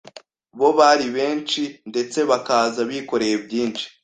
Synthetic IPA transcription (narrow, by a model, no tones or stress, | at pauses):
βo̞βaɾiβe̞ːnt͡ʃinde̞t͡se̞βakaːzaβiko̞ɾe̞jebjiːnt͡ʃi̥